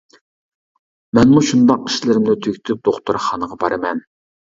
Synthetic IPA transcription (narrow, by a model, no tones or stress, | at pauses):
mɛnmuʃund̪ɑqi̥ʃlɪɾɪmnɨt̪ʰøkʲʰt̪ʰyp̚d̪oχt̪uɾχɑnəʁɑbɑɾɨmɛn